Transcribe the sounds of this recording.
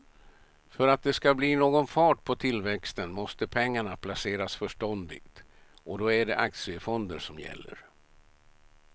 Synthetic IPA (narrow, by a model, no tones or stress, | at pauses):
fœɾat̪̚d̪ɛskabliːnoːɡɔnfɑːʈpʰɔt̪ʰɪlvɛkst̪ənmɔst̪əpʰɛŋːaɳapʰlaseːɾasfœʂʈɔnd̪ɪ̰kt̪ | ɔd̪oːæɖɛʔak̚t̪sɪəfɔnd̪əʂɔmjɛ̰lːə̰ɾ